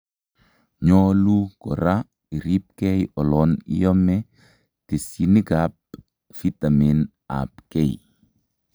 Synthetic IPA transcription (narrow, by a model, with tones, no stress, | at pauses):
ɲɔlukɔ˨ɾa | i˨ɾi˦p̚kɛ˦jɔ˨lɔnḭ˦jɔ˦mɛ | te˨sini˦ɡap̚ | fi˦t̪a˨min | a̰˨pkɛ˦j